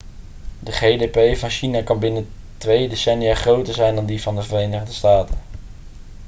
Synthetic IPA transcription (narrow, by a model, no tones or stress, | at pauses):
dəχejdepejvɑnʃinakɑnbɪnə | tʋejdesɛnijaːχrowtəɹzɛjndɑndivɑndəvərejnəχndəstaːtən